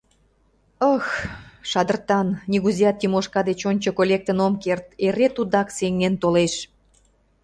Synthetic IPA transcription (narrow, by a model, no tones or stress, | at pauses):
əxʃɑd̪ərt̪ɑnːʲiɣuzijɑt̪ːimoʃkɑd̪et͡ɕonʲt͡ɕokolʲek̚t̪ənomkert̪eɾet̪ud̪ɑkseŋent̪oleʃ